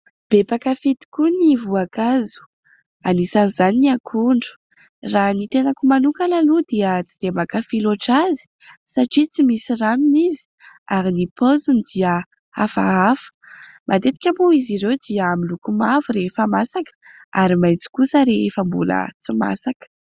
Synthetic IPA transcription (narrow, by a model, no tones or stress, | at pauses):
b̥epakafit̪i̥kunivuakazu̥ | anisanizaniiakʰuɳɖ͡ʐu̥ | ranit̪enakumanukalalud̪iət͡sid̪̥emakafiloʈ͡ʂazi̥ | saʈ͡ʂit͡simisiraminizi̥aɾinipozund̪iə | a̰fa̰afə̥ | mʔad̪et̪i̥kʲamuiziɾewd̪iəamilukumavuɾefamasakə̥ | aɾimajt͡si̥kusəɾeefambṵlə̰t͡sima̰sakə̥